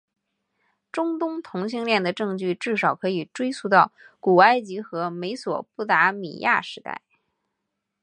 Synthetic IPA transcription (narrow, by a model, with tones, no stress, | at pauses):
ʈ͡ʂʊ˥ŋt̪ʊ˥ŋt̪ʰʊ˧˥ŋɕi˥˧ŋljɛ˥˩nd̪ə˩ʈ͡ʂɤ˥˧ŋt͡ɕy˥˧ʈ͡ʂɻ̩˥˩ʂɑ˨˩ʊkʰɤ˧˥i˨˩ʈ͡ʂwe˥ɪsʰu˥˧t̪ɑ˥˩ʊ | ku˨˩a˥ɪt͡ɕi˧˥xɤ˧˥me˧˥ɪswɔ̰˨˩pu˥˩t̪a˧˥mḭ˨˩ja̰˥˩ʂɻ̩˧˥t̪a̰˥˩ɪ